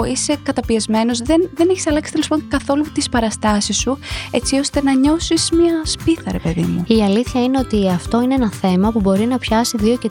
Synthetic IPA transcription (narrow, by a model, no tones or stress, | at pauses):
ise̞kɐt̪ɐpiɐzme̞no̞zðenðeneçi̥sɐlɐksi̥t̪elispo̞ŋkɐθo̞lut̪ispɐɾɐst̪ɐsisːue̞t͡sio̞st̪e̞nɐɲo̞sizmɐspiθɐɾe̞pe̞ðḭmuiɐliθçɐine̞o̞t̪iɐft̪o̞ineenɐθe̞mɐpubo̞ɾinɐpçɐsiðio̞ce